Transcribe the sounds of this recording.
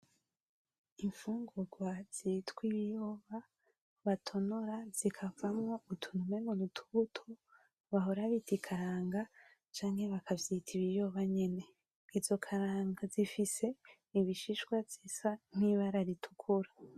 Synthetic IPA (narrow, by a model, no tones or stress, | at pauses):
iɱfuːŋɡuɡwaz̥itkwiβijo̞βa | βatʰo̞nuɾaz̥ikʰavamŋo̞utʰunumeŋɡonutʰu̥βutʰo | βaɦo̞ɾaβitikʰaɾaːŋɡa | t͡ʃaːɲhe̞βakʰavjitʰiβijo̞βaɲe̞ne̞ | izo̞kʰaɾaːŋɡazifise̞ | iβiʃiʃɡwavz̥isan̥iβaɾaɾitʰu̥kʰuɾa